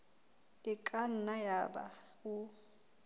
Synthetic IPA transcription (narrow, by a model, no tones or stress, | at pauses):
ɪkʼan̩najaba̰ʊ